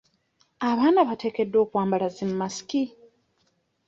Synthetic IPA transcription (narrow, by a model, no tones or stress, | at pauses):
aβaːnaβate̞ːke̞dːo̞ːkwaːmbalazimumasi̥ki